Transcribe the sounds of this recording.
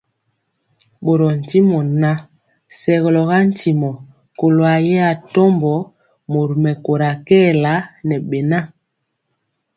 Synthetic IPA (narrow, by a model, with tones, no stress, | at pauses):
ɓo˨ɾɔ˨n̩˨ti˦mɔ˨na˦ | sɛ˨ɣɔ˨lɔ˨ɣa˦n̩˦ti˨mɔ˨ | ko˨lo˨a˨jɛ˦a˨tɔ˦mbɔ˨˦ | mo˨ɾu˨mɛ˨ko˨ɾa˨kɛ˦˨la˦nɛ˨ɓɛ˨na˦